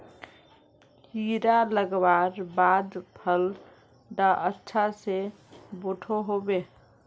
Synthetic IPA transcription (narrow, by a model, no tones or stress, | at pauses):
kiɾaləɡbaɾbad̪pʰəl | d̪aʔətːt͡ʃʰase | boʈʰoɦobe